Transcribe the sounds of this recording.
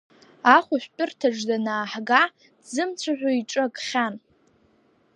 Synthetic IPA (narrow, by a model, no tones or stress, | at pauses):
aχʷʊʃʷᶣpʼɪrtʰaʐdanaːħɡa | dzɨmt͡sʷʰaħʷᶣoiʈ͡ʂʼaɡʼχʲan